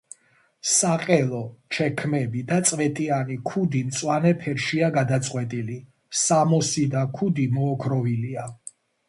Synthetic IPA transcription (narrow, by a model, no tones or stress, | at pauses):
saqʼɛlˠɔt͡ʃʰɛkʰmɛbid̪at̪sʼvɛt̪ʼianikʰud̪imt̪sʼwanɛpʰɛɾʃiaɡad̪at̪sʼqʼwɛt̪ʼili | samɔsid̪akʰud̪imɔːkʰɾɔvilia